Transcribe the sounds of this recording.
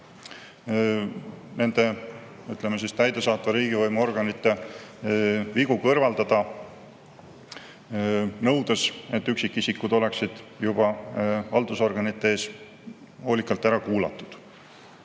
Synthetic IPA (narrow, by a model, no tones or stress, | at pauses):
ne̞nd̪̥e̞ | yt̪ˑlemːesist̪æjd̪esɑːt̪vɑɾiːɡ̥ivɤjmuo̞rɡ̥ɑnit̪ːe̞ | viɡ̥ukɤrvɑld̪ɑd̪̥ɑ | nɤ̞wd̪ese̞t̪ˑːyksikːisikːud̪o̞le̞ksid̪̥jub̥ɑɑld̪̥uso̞rɡ̥ɑnit̪ːˑeeːs | ho̞ːlikːˑɑlt̪ːˑæɾɑkuːlɑ̰t̪ːˑud̪̥